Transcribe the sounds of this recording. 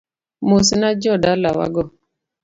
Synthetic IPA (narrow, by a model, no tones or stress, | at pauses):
mosnad͡ʒɔdalawa̰ɡɔ